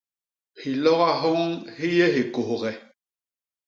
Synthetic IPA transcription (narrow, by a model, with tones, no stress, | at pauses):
hi˨lɔ˦ɣa˦ɦɔ˦ŋhi˦jɛ˦ɦi˨ko˨ho˨ɣɛ˨